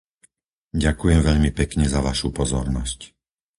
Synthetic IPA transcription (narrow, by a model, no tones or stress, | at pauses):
ɟakujɛmʋɛʎmipɛkɲɛzaʋaʃupɔzɔɾnɔsc